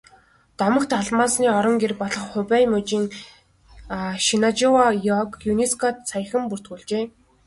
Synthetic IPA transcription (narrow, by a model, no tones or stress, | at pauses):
t̪ɔmə̆xt̪ʰaɮmaːsniːɔɾɞ̆ŋɡerpɔɮɞ̆χχʊpæjmɵt͡ɕiːŋ | ʃinat͡ɕʊwajɔkjuneskʰɔt̪sʰaj̆χə̆mpur̥t̪ɡuːɮt͡ɕeː